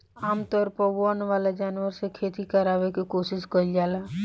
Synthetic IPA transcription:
aːmt̪ɔɾpɔʋoənʋaːlad͡ʒaːnʋəɾsekʰeːt̪ikəɾaːʋekikoːsɪskəid͡ʒaːla

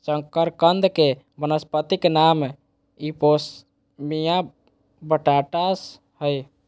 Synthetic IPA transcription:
t͡ʃə̃ŋkəɾkənd̪ʱke | bənəspət̪iknam | ipos | mija | bəʈaʈas | həj

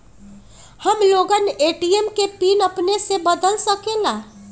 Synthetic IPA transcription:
həmloːɡəneːʈiemkepiːnəpnesebəd̪əlsəkelaː

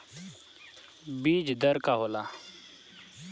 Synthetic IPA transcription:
biːd͡ʒd̪əɾkaːɦoːlaː

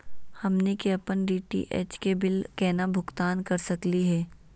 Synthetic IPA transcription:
hɐmnekeɐpənɖiːʈḭʔɛ̰t͡ʃkebɪlkɛːnabʱʊɡt̪aːnkɐɾsɐkliɦɛː

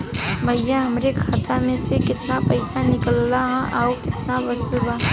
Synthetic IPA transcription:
bʱɐjjːãɦɐmɾekʰaːt̪amẽsekɪt̪napɐɪsanɪkəlːaɦʔaokɪt̪nabɐt͡ʃəlbaɦ

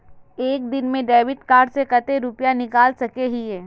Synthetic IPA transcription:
eːk̚d̪ɪnmẽɖɛːʋɪʈkaːɾɖsekɐt̪eɾʊpjanɪkaːlsɐkeɦiɦɛː

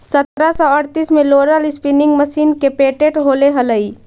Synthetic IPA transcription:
sət̪ɾasɔəɾt̪ismẽloːɾəlɪspinɪ̃ŋɡməsiːnkepeʈeʈɦoːleɦələi

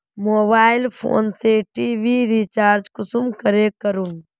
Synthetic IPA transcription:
moːbaːɪlpʰo̰ːnseʈiːʋiɾit͡ʃaːɾd͡ʒkʊsumkəɾekəɾun

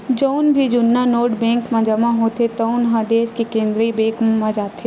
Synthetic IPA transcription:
d͡ʒoʊnbʱid͡ʒʊnːanoːɾʈbɛ̃ːŋkmãd͡ʒɐmãɦot̪et̪əʊnɦãd̪eːskikẽːnd̪ɾibeːkmad͡ʒaːt̪ʰe

